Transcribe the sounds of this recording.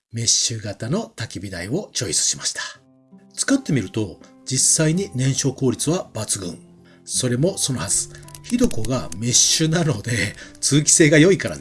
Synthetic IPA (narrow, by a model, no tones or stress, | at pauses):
me̞ɕːɨɡat̪ano̞t̪akʲibʲid̪aio̞t͡ɕo̞isɨ̥ɕimaɕi̥t̪ʰḁ | t͡sɨ̥kat̪ːe̞mʲiɾɯ̟t̪o̞d͡ʑisːaiɲ̟inẽ̞ɰ̃ɕo̞ːko̞ːɾʲit͡sɨβabat͡sɨɡɯ̰̃ŋ | so̞ɾe̞mo̞so̞nohazɨ̥çid̪o̞ko̞ɡame̞ɕɨnano̞d̪e̞t͡sɨːkʲi̥se̞ːɡajo̞ikaɾa̰d̪